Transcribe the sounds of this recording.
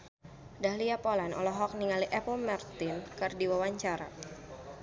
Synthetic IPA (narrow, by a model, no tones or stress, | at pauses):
dahliapolanɔ̰lɔɦɔk̚niŋaliʔɛpɔmɛrt̪ɪnkɨrdiwawaɲt͡ʃaɾa̰